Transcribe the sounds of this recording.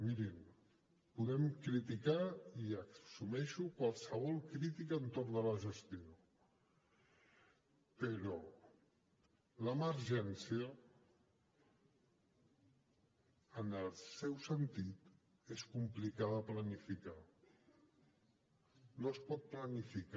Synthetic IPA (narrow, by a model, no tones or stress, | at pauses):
miɾim | puðɛmkɾit̪ikaiəsumɛʃukwalˠsəβ̞ɔlˠkɾit̪ikəːnt̪oɾnðələʒəst̪io | pəɾɔ | ləməɾʒɛnsiə | nəlˠsɛwsənt̪it̪ | eskumplikaðəplənifika | nospɔt̪̚plənifik